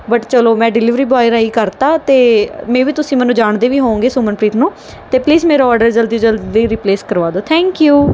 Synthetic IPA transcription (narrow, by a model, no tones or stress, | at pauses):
bəʈt͡ʃəloːmɛ̃ːɖɪlɪʋɾiːbaːɪɾaːiːkəɾt̪aːt̪eːmɛ̃ːʋiːt̪ʊsĩːmɛ̃ːnũːd͡ʒaːɳd̪eːʋiːɦõːŋɡeːsoːmənpɾiːt̪ʰnũː | t̪eːpliːzmeːɾaɔːɾɖəɾd͡ʒəld̪iːd͡ʒəld̪iːɾiːpleːskəɾʋaːd̪oːt̪ʰɛ̃ːŋkjuː